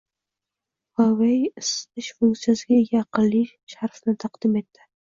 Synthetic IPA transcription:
vawejɪst̪ɪʃfʊŋkt̪sijasɪɡʲajɑqɨlːi | ʃaɾfnɪt̪ʰaqd̪ɪme̞t̪ʰːɪ̥

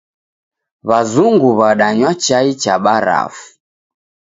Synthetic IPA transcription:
βazuŋɡuβaɗaɲwat͡ʃait͡ʃaɓaɾa̰fu̥

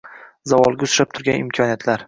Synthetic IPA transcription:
zavɒlˠɡʲaʊsɾap̚t̪ʰʊɾɡʲanɪmkʰɒnijat̪ʰlaɾ

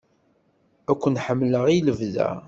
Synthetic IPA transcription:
ækʷːənħəmːləʁiləvðæ̰

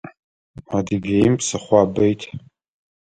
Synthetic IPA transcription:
adiɡʲejmpʰʼsaχʷabejtʼ

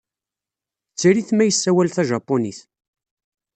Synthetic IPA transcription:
t͡sːiɾiθmæjəsːæwælθæʒɑpːoniθ

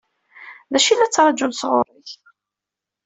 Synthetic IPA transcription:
ðæʃilːæt͡sːɾˤɑd͡ʒʊlsʁʊrˤːiç

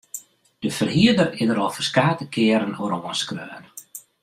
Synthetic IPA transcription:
d̥əfərhiədərɪdəɾɔlˠfərskaːtəkʰɪəɾənoɾoənskrøːən

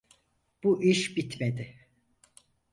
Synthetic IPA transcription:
b̥uʔiʃbit̪med̪ɪ

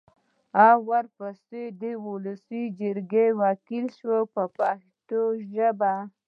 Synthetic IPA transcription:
awaɾpased̪əuləsid͡ʒəɾɡewɑkilʃwəpəpaʃt̪oʒəba

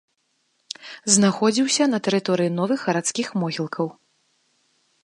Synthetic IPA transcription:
znaxɔd͡zʲiwsʲɐnɐt̪ɛɾɨt̪ɔɾɨjinɔvɨxɣɐɾat̪skʲixmɔɣʲilˠkʰɐw

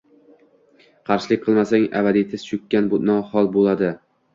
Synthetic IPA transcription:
qʰɑɾʃɪlˠɪk̚ʲqʰɨlˠmasaŋa̰bad̪it̪ʰɪz̥t͡ʃʰʊkʲːanbʊnɒhɒlˠbolad̪ɪ

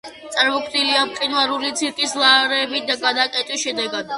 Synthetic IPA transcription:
t̪sʼaɾmɔkʰniliamqʼinlˠaɾulit̪sʰiɾkʼislˠaɾɛbid̪aɡad̪akʼɛt̪ʼwisʃɛd̪ɛɡad̪̥̚

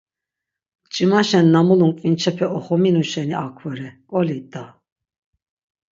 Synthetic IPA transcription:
t͡ʃʼimaʃɛnːamuluŋkʼint͡ʃʰɛpʰɛʔɔχɔminuʃɛniʔakʰwɔɾɛkʼɔlit̪ʼːa

